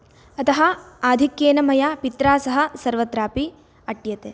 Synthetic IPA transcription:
ɐt̪ɐɦɐ̆aːd̪ʱikjeːnɐmɐjaːpit̪ɾaːsɐɦɐ̆sɐɾʋɐt̪ɾaːpi | ɐʈjɐt̪eː

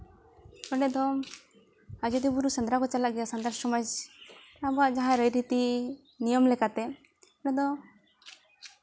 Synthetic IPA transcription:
ɔɖɛd̪ɔ | ad͡ʒɔd̪ibuɾusənd̪ɾakɔt͡ʃalaʔɡɛjasand̪aɾsɔmad͡ʒ | abɔaʔd͡ʒaɦãɾəjɾit̪i | nijɔmlɛkat̪ɛ | ɔɳɛd̪ɔ

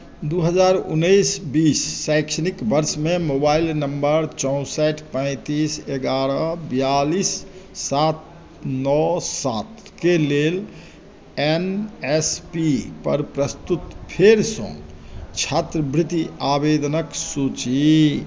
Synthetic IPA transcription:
d̪uɦəd͡ʒaɾṵnːəisbiːsːajkʃənikbəɾsmemobailnəmbəɾt͡ʃɔʊ̃sɛʈʰpə̃ɪ̃t̪iseɡaɾəbijalisːat̪̚ | nɔsat̪̚ | kelel | enespipə̰ɾpɾəst̪ut̪pʰeɾsɔ̰̃t͡ʃʰat̪ɾəbɾit̪iabed̪nəksut͡ʃi

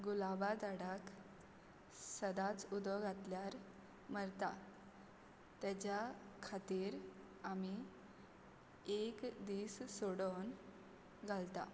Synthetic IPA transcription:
ɡulabad͡zaɽak | səd̪at͡sud̪ɔɡʱat̪ljaɾ | məɾt̪a | t̪ɛt͡ɕakʰat̪iːɾ | ami | ekd̪issoɽon | ɡʱalt̪a̰

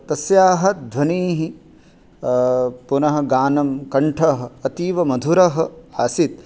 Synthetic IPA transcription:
t̪ɐsjaːɦɐ̆d̪ʱʋɐniːɦi | punɐɦɐ̆ɡaːnɐmkɐɳʈʰɐɦɐ̆ːt̪iːʋɐmɐd̪ʱuɾɐɦɐ̆aːsit̪

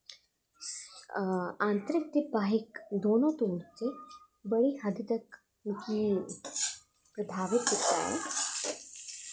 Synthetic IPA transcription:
ãnt̪əɾik̚t̪ebaɦikd̪onot̪oːɽt͡se | bəɽiɦəd̪ʱit̪ək | ki | pɾəd̪ʱaʋit̪it̪a̰ḛ

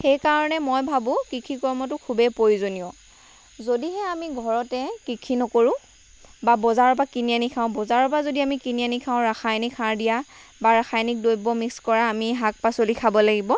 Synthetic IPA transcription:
xejkaɹɔnɛmojbʱabʊ̃kɹikʰikɔɹmɔt̬ʊkʰubɛpojzoniɔ | zodiɦɛamiɡʱɔɹɔtɛkɹikʰinɔkoɹʊ̃ | babɔzaɹɔp̬akinijanikʰaʊ̃bɔzaɹɔp̬azodiamikinijanikʰaʊ̃ɹaxajnikʰaɹdijabaɹaxʰajnik̚dojbɔmikskɔɹaːmiɦak̚pasolikʰabɔlaɡibɔ

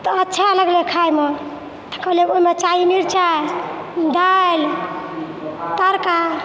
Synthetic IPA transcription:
t̪ɔːtːʃʰaləɡlekʰajme | t̪ə̥kʌɦleoimet͡ʃainiɾt͡ʃa | d̪al | t̪əɾka

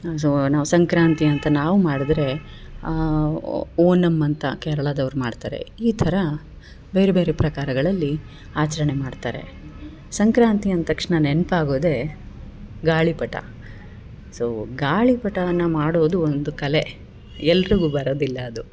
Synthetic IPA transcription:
s̬oːnaːʋusɐŋkɾaːnt̪iɐnt̪ɐnaːʋumaːɽid̪ɾe̞ | oːnɐmːɐnt̪ɐkɛɾɐɭɐd̪ɐʋɐɾumaːɖt̪a̰ːɾe̞̰iːt̪ʰɐɾɐ | be̞ːɾebe̞ːɾepɾɐkaːɾɐɡɐɭɐlːi | aːt͡ʃɐɾɐɳe̞maːɖt̪a̰ːɾe̞̰ | sɐŋkɾaːnt̪iɐnt̪ɐkʂɳɐnenpaːɡoːd̪e̞ | ɡaːɭipɐʈɐ̰ | soːɡaːɭipɐʈɐʋɐnːɐmaːɽoːd̪uond̪ukɐle̞ | ɛlːɐɾiɡuːbɐɾoːd̪ilːɐːd̪u

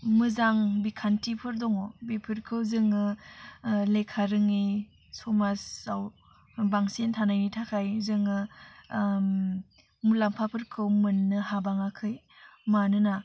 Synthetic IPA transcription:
mɯzaŋbikʰantipʰɯɾdɔŋɔbipʰɯɾkʰɯwzɯŋɯ | lekʰaɾɯŋi | sɔmasaw | baŋsentʰanajnitʰakʰajzɯŋɯ | mulampʰapʰɯɾkʰɯwmɯnːɯhabaŋakʰɯj | manɯna

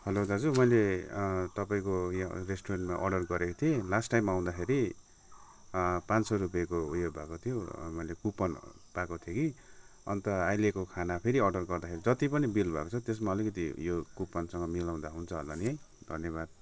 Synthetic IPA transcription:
hʌlod͡zad͡zumʌjlet̪ʌpaĩkojaresʈorenʈmaʔʌ̰ɖʌrɡʌɾekot̪ʰijelasʈajmːaaw̃d̪akʰeɾi | pansʌrupjekoujobʱakot̪ʰijomʌjlekupːʌn | pakot̪ʰjekiʌ̰nt̪ʌajlekokʰanapʰeɾiʌɖʌrɡʌrd̪akʰeɾid͡zʌt̪ipʌnibilbʱʌ̰kot͡sʰʌt̪esmaʌlikʌt̪̬ḭjokupːʌnsʌŋɡʌmilaw̃d̪aɦunt͡sʰʌɦʌ̰lːaniʌj | d̪ʱʌnjʌβad̪̚

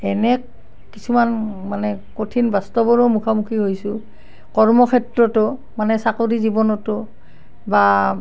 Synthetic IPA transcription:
ɛnɛkː | isumanmanɛkotʰinbastɔbɔɹɔmukʰamukʰiɦojsʊ | kɔɹmɔkʰɛtɹɔtʊ | manɛsakodizibɔnɔtʊ | ba

